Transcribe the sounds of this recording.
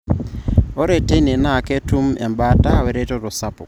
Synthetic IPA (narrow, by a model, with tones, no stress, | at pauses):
ɔ˦ɾe˨te˦ne˨na˨ke˦tu˦mɛ̰˨mba˦ta˦˨we˨ɾe˦tɔ˦ɾɔ˨sa˦pɔ̰˨